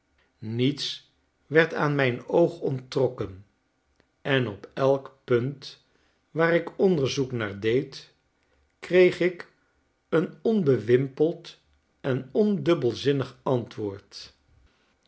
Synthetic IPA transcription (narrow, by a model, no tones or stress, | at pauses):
nits | ʋɛɹtaːnmɛjnowχɔntrɔkən | ɛnɔpɛlˠkpɵnt | ʋaːɾɪkɔndəɹzuknaːɹdejt | krejχɪk | ənɔnbəʋɪmpəlˠt | ɛnɔndɵbəlˠzɪnəχɑntʋʊːɹt